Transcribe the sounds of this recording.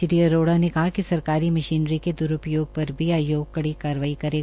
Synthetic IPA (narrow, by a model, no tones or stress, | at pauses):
ɪɾiəɾoːɽanekɐɦakisɐɾkaːɾimɐʃiːnɾiked̪ʊɾʊpjoːɡ̚pɐɾbʱiaːjoːɡ̚kɐɽikaːɾəʋaːikɐɾeː